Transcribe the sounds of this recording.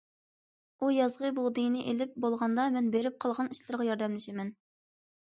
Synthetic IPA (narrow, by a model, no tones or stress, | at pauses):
ujɑzʁəboʁd̪ɨjnɪʔelɪp̚bolˠʁɑnd̪ɑmɛnbeɾɪp̚qʰɑlˠʁɑniʃlˠɨɾʁɑjɑɾd̪ɛmlɪʃɪmɛn